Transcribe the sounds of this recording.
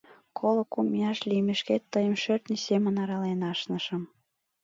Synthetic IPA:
kʰolɤ̆kumijɑʃlimeʃket̪ːəjəmʃørt̪nʲisemə̆nɑɾɑlenɑʃnə̆ʃəm

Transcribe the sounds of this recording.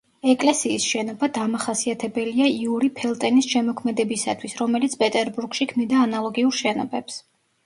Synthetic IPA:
ɛkʼlɛsiːsʃɛnɔbad̪amaχasiat̪ʰɛbɛliaiuɾipʰɛlˠt̪ʼɛnisʃɛmɔkʰmɛd̪ɛbisa̰t̪ʰwisɾɔmɛlit̪sʰpʼɛt̪ʼɛɾbuɾɡʃikʰmid̪aːnalˠɔɡiuɾʃɛnɔ̰bɛps

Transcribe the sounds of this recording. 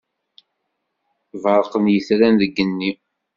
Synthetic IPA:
vəɾˤqənjəθɾænðəɡːənːi

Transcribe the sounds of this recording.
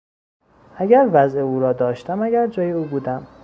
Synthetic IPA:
ʔæɟæɾvæze̞uːɾɒːd̪ɒːʃt̪æmæɟæɾd͡ʒɒːje̞uːbuːd̪æm

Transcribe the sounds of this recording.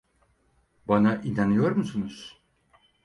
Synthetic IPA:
banaʔinanɯjo̞ɾmusunuz̥

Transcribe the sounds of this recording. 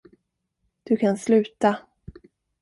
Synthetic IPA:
d̪̥ɵkʰanslʉ̟ːt̪a

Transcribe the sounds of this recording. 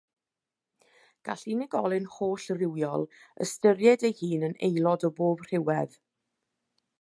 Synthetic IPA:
ɡ̥a̰ɬinɪɡɔlˠɨnhoːɬrɪwjɔlˠə̰stəɾjɛdejhiːnənḛjlˠɔdɔboːbr̥ɪwɛð

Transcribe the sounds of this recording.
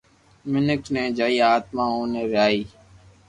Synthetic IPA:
mɪnɪkneːd͡ʒaːiːaːt̪mãːɦoːneːɾɪaːiː

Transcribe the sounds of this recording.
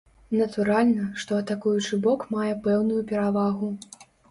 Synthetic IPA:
nɐt̪uɾalʲnɐʂt̪ɔɐt̪akujut͡ʂɨbɔkmajɛpɛwnujupʲɛɾavaɣu

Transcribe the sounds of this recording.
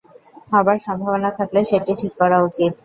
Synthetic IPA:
ɦabaɾsɔmbʱaʋɔnat̪ʰaklaʃeʈiʈʰikːɔɾaut͡ɕit̪

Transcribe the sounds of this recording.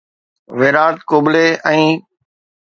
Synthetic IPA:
ʋeːɾaːt̪koːɓleɛ̃ː

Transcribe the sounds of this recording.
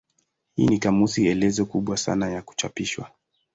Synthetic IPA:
hiːnikamusiɛlɛzɔkuɓwasa̰najaku̥t͡ʃapiʃwa̰

